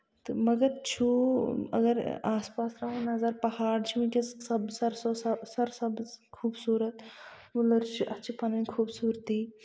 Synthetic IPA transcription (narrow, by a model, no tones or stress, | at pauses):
t̪ɨmɐɡɐɾt͡ʃʰuɐ̰ɡɐɾaːspaːsɾɐɦũnɐzɐɾpɐhaːɽt͡ʃʰimikʲesɐbsɐɾsosɐsɐɾsɐbkʰuːbsuːɾɐt̪ | mulɐɾt͡ʃʰiʔɐtːt͡ʃʰipɐnɐnʲkʰuːbsuːɾt̪iː